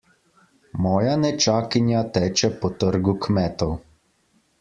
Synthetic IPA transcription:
mɔːjanɛt͡ʃaːkinjat̪ɛːt͡ʃɛpɔt̪əɾɡukmɛːt̪ɔw

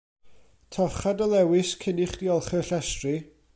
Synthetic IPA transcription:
tʰɔχadəlˠɛwɪskʰɪnɪχd̥iɔlˠχɛɬɛstri

